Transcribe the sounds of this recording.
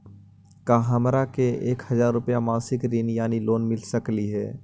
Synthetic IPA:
kaːɦɐmɾakeeːkhɐzaːɾːʊpjamãːsɪkɾiːnjaːniloːnmɪlsəkliɦɛː

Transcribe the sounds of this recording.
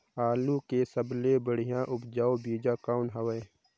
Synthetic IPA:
aːlũkesəblebəɽ̤ijãːʔʊbd͡ʒaːobiːd͡ʒaːkaːʊnɦəwəe

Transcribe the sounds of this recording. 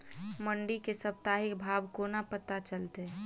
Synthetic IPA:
məɳɖikesəp̚t̪aːɦɪkbʱaːbkonapət̪at͡ʃəlt̪e

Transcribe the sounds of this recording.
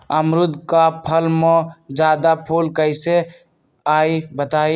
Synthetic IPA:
əmɾʊd̪ʱkapʰəlmɔ̃d͡ʒaːd̪apʰuːlkəɪse | aːibət̪aːi

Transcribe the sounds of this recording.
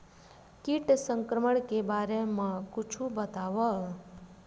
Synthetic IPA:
kiʈsə̃ŋkɾəməɽkebaɾemãkʊt͡ʃʰubət̪aʋə

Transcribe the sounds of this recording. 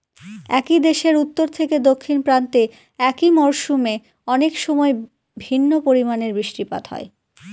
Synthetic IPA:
ɛ̰kid̪eʃeɾut̪ːoɾt̪ʰeked̪okʰːinpɾant̪e | ɛkimɔɾʃume | ɔnekʃɔmɔe | bʱinːopoɾimaneɾbɾiʃʈipa̰d̪hɔ̰e

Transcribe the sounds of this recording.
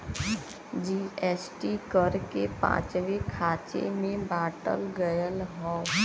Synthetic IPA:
d͡ʒiːɛːsʈikəɾkepã̰ːt͡ʃʋekʰaːt͡ʃḛmẽbaːʈə̰lɡəjəlɦɔː

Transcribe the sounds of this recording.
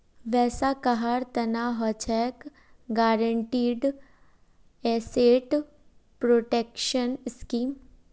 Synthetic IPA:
ʋɛːsakɐɦaɾt̪ɐnaːɦɔt͡ʃʰɛːk | ɡaːɾəɳʈiːɖ | ɛːseːʈ | pɾoːʈeːkʃənskiːm

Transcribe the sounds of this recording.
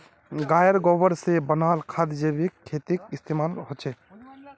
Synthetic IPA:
ɡajəɾɡobəɾsebənalkʰad̪d͡ʒebikʰːet̪ikist̪ʰemalɦot͡ʃʰɛ

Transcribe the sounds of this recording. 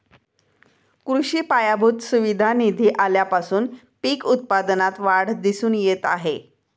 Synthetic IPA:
kɾuɕiːpajabʱuːt̪suʋid̪ʱanid̪ʱiːʔaljapasuːn | piːkut̪̚pad̪nat̪ʋaɽ̤d̪isuːnjet̪a̰ɦe

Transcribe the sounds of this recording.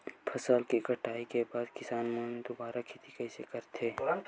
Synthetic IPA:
pʰəsəlkikəʈaːikebaːd̪kɪsaːnmənd̪ʊbaːɾakʰet̪ikɐɪsekəɾt̪ʰeː

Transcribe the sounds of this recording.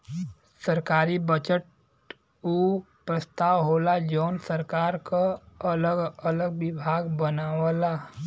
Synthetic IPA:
səɾkaːɾibət͡ʃəʈ̚ | u | pɾəst̪aːwɦoːlad͡ʒoːnsəɾkaːɾkaɐləɡələɡʋɪbʱaːɡbənaːwəlaː

